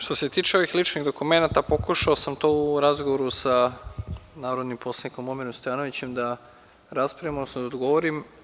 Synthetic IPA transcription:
ʃt̪o̞se̞t̪iːt͡ʃe̞o̞ʋixlit͡ʃniɣd̪okume̞nat̪apo̞kuʃaosamt̪ouɾazɡoʋoɾusa | naːɾo̞d̪nimpʰo̞slˠaniko̞mo̞miɾomst̪ojaːno̞ʋit͡ɕe̞md̪a | ɾaspɾajimod̪nosnod̪aod̪ɡo̞ʋoɾim

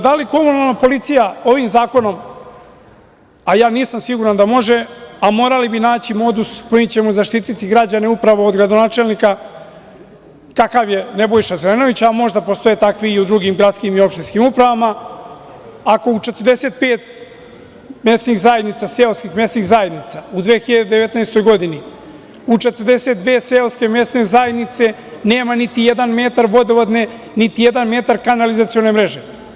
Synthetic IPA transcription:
d̪aliko̞munalˠnapo̞lit̪sijao̞ʋimzaːko̞no̞m | ajaːniːsamsiɡuɾand̪amo̞ʒeamo̞ːɾalibinaːt͡ɕimo̞d̪usko̞jimt͡ɕe̞muzaʃt̪iːt̪it̪iɡɾad͡ʑane̞upɾaʋo̞od̪ɡɾad̪o̞naːt͡ʃelˠnika | kakaʋje̞ne̞bojʃazeleno̞ʋit͡ɕamo̞ʒd̪apo̞st̪o̞jeːt̪akʋiːud̪ɾuɡimɡɾat̪skimio̞pʃt̪inskimupɾaʋama | ako̞ut͡ʃe̞t̪ərd̪e̞se̞t̪̚peːt̪̚ | me̞st̪niɣzaje̞d̪nit̪saseoskixme̞st̪iɣzaje̞d̪nit̪saud̪ʋeːxiʎad̪ed̪eʋet̪naest̪o̞jɡo̞d̪ini | ut͡ʃe̞t̪ərɾd̪e̞set̪d̪ʋeːseoske̞me̞st̪nezajed̪nit̪se̞ | ne̞ːmanit̪ijed̪anmet̪aɾʋo̞d̪eʋod̪ne̞ | nit̪ije̞d̪anme̞ːt̪aɾkanalizat̪sio̞ne̞mɾe̞ʒe̞

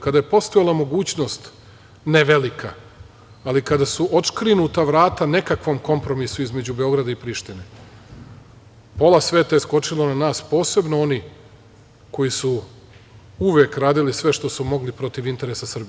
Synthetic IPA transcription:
kad̪aje̞po̞st̪oelˠamo̞ɡuːt͡ɕno̞st̪ | neʋe̞likʰaː | likad̪asuʔot̪kɾinut̪aʋɾaːt̪ane̞kakʋo̞ːmko̞mpɾo̞misuizme̞d͡ʑube̞o̞ɡɾad̪aipɾiʃt̪ine | po̞lasʋe̞ːt̪ajesko̞t͡ʂilˠonanaːspo̞ːse̞bnoo̞ni | ko̞jisu | uʋeːkɾaːd̪ilisʋe̞ʃt̪o̞sumo̞ɡlipɾo̞t̪iʋint̪e̞ɾesasr̩bie

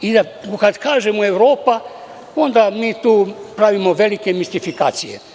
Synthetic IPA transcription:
id̪a | kad̪kaːʒemoe̞wɾo̞ːpa | o̞nd̪amiːt̪uːpɾaʋimoʋe̞like̞mist̪ifikaːt̪sijḛ

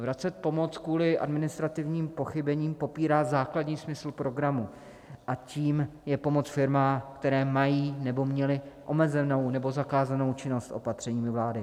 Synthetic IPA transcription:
vɾat͡sɛt̪̚po̞mot͡skvuːlɪʔa̰dmɪnɪst̪ɾat̪ɪvɲiːmpo̞xɪbɛɲiːmpo̞piːɾaːzaːkladɲiːsmɪsl̩pɾo̞ɡɾamu | ʔaciːmjɛpo̞mo̞t͡sfɪɾmaːkt̪ɛɾɛːmajiːnɛbo̞mɲɛlɪʔo̞mɛzɛno̞wnɛbo̞zakaːzano̞wt͡ʃɪno̞st̪ʔo̞̰pat̪r̝̥ɛɲiːmɪvlaːdɪ

